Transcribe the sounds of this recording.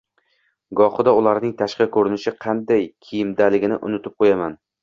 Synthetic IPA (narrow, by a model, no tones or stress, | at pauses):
ɡɒχɨd̪aʊlaɾnɪŋt̪ʰaʃqɑkʰɵɾɪnɪʃɪqʰɑnd̪ajkʲʰijɪmd̪alɪɡʲɪnɪ̰ʔʊ̰nɪt̪ʰɪp̚qʰojaman